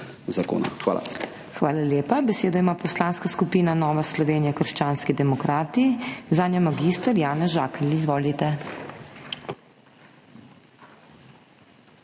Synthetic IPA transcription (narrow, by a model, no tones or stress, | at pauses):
zako̰ːna̰xʋa̰ːla̰ | xʋaːlaljeːpabɛseːd̪ɔimaːpɔslaːnskaskupiːnanɔːʋaslɔʋeːnijakəɾʃt͡ʃaːnskid̪ɛmɔkɾaːt̪izaːnjamaɡiːst̪əɾjaːnɛʒaːkɛlizʋoːlit̪ɛ